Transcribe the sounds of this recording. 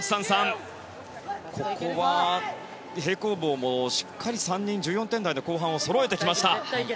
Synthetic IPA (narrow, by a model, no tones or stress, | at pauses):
i̥sãɰ̃sãŋ | kʰokʰo̞βa | he̞ːko̞ːbo̞ːmoɕi̥kʰːaɾʲisãɲ̟ːĩɲ̟d͡ʑɨːjõnt̪ẽ̞nd̪aino̞ko̞ːɦãɰ̃o̞so̞ɾo̞et̪ekʲimaɕi̥t̪a